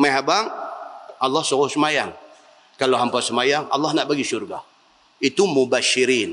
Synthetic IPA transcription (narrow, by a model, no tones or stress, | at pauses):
məɦabaŋ | alːɑhsɔɣʊsəmajaŋ | kalaɦampasəmajaŋa̰lːahnaʔbaɡisurɡa̰h | it̪umubaʃiɾiːn